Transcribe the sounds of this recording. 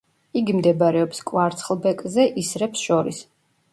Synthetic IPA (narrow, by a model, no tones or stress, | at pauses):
iɡimd̪ɛbaɾɛɔpskʼwaɾt̪sʰχlˠbɛkʼzɛʔisɾɛpsʃɔɾḭs